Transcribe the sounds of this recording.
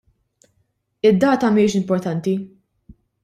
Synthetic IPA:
ɪd̪ːɐːt̪ɐmɪːʃɪmpɔɾt̪ɐnt̪i

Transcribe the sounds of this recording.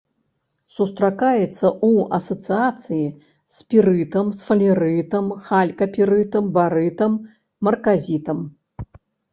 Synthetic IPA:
sust̪ɾakajɛt̪sːɐʔuɐsɐt̪sɨat̪sɨji | spʲiɾɨt̪ɐmsfɐlʲɛɾɨt̪ɐmxalʲkɐpʲiɾɨt̪ɐmbaɾɨt̪ɐmː | ɐrkazʲit̪ɐm

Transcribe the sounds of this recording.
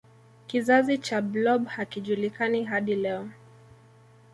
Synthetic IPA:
kizazit͡ʃablɔɓhakiʄulikaniɦaɗilɛɔ

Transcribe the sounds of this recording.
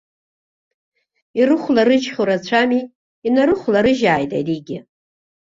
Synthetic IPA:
irɨχʷlaɾɨd͡ʒχʲoɾat͡ɕʷʰami | inaɾɨχʷlaɾɨʒaːjtʼa̰jdiɡʲɪ

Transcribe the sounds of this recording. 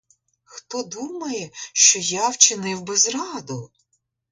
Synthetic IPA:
xt̪ɔd̪umɐjɛʃt͡ʃɔjawt͡ʃɪnɪwbɛzrɑd̪ʊ

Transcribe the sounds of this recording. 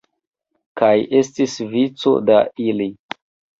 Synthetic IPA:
kaje̞stisvit͡so̰daili

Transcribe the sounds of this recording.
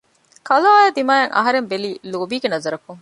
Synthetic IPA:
kɐlaaːjɐd̪imaːjɐŋʔɐ̰ɦɐɾembeliːluːbiːɡenɐzɐɾɐkuŋ

